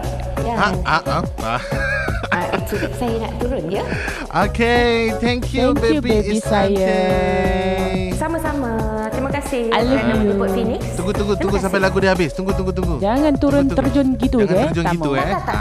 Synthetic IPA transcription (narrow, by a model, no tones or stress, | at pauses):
jaaaʔa | a | ʔɛsuik̚sajana̰ʔt̪uɾʊnjə | oket̪ʰɛ̃ŋkʰjubejubeisaja | samasama | t̪ɾimakasɪhaluvjufinɪksuŋɡut̪uŋɡutuŋɡus̬ampajlaɡudiəhabɪst̪uŋɡut̪uŋɡut̪uŋɡud͡ʒaŋãnt̪uɾʊnt̪ərd͡ʒɔnɡit̪udɛd͡ʒɔt̪aɡimuɛa